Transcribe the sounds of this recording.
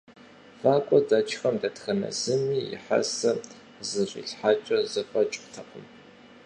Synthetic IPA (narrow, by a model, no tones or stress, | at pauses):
faːkʷʼɔdɐt͡ʃʰʼxɐmdɐtxɐnɐ̰z̥ɨmiːjɪ̰ħa̰sɐ | zɨɕʷʼḭɬħaːt͡ʃʼɐzɨfɐt͡ʃʼtʰɐqʰʼəm